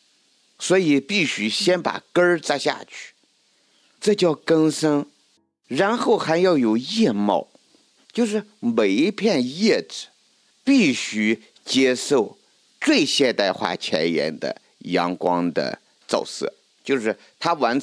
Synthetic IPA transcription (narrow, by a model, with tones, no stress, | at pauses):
swɔ˧˥i˨˩pi˥˩ɕy˥ɕjɛ˥npa̰˨˩kə˥t͡sa˥ɪɕja̰˥˩t͡ɕʰy̥˥˩ | ʈ͡ʂɤ˥˧t͡ɕjɑ˥˩ʊkə˥ŋsɤ˥ŋ | ɻa˧˥nxo˥˩ʊxa˧˥njɑ˥˩ʊjo˨˩ʊjɛ˥˧mɑ̰˥˩ʊ | t͡ɕjo˥˧ʊʂɻ̩˥˩me˨˩ɪi˧˥pʰjɛ˥˧njɛ˥˩ʈ͡ʂɻ̩˨˩˦ | pi˥˩ɕy˥ | t͡ɕjɛ˥ʂo˥˧ʊ | t͡swe˥˧ɪɕjɛ˥˧nt̪a˥˧ɪxwa̰˥˩t͡ɕʰjɛ̰˧˥njɛ̰˧˥nd̪ə̰˧ | jɑ˧˥ŋkwɑ̰˥ŋd̪ə̰˧ | t͡sɑ̰˥˧ʊsɤ̰˥˩ | t͡ɕjo˥˧ʊʂɻ̩˥˩ | t̪ʰa˥wa˧˥n